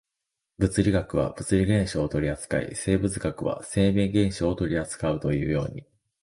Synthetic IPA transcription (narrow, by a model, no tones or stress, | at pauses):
bɯ̟t͡sɨɾʲiɡakɯ̟βa̰b̥ɯ̟t͡sɨɾʲiɡẽ̞ɰ̃ɕoːt̪o̞ɾʲiat͡sɨ̥ka̰ḭse̞ːbɯ̟t͡sɨɡakɯ̟βa̰se̞ːmẽ̞ŋɡẽ̞ɰ̃ɕoːt̪o̞ɾʲiat͡sɨ̥kaɯ̟t̪o̞jɯ̟ːjo̞ːɲ̟i